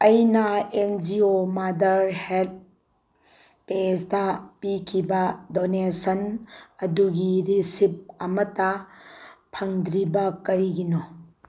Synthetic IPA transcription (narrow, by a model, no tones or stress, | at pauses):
ɐjnɐend͡ʒiomadɐɾhelt̚ | pesdɐpikʰibɐdonesɐnɐduɡiɾisip̚ɐmɐtɐ | pʰɐŋdɾibɐkɐɾiɡino